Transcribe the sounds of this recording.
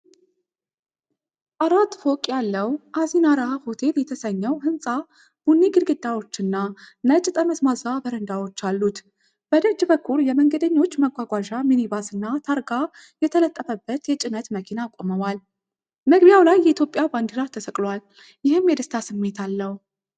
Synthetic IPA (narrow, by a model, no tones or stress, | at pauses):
ʔaɾat̪ːfokʼjalːəwʔazinaɾahahot̪ʰe̞ljɛt̪ʰəsəɲːəwhɨnsʼa | b̥unːiɡɨɾɡɨd̪awo̞t͡ʃːɨnːanət͡ʃʼːt̪ʼəməsmazabəɾənd̪awo̞t͡ʃːalːut̪ | b̥əd̪əd͡ʒbəkʰːuljɛməŋɡəd̪əɲːo̞t͡ʃːməɡʷaɡʷaʒaminibasɨnːat̪ʰaɾɡa | jɛt̪ʰələt̪ʼːəfəbːət̪jɛt͡ʃʼɪnət̪məkʰinakʷʼoməwal | məɡbijawlajːɛit̪ʰjo̞pʼjaband̪iɾat̪ʰəsəkʼlwal | jɪhɨmjɛd̪əst̪ʰasɨmːe̞t̪ʰalːəhu